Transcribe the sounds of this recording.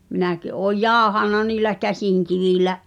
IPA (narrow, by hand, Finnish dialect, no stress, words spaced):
minæki ʔoːj jɑˑohɑˑnːɑ niːlæ kæsiˑŋkiʋiˑlæʔ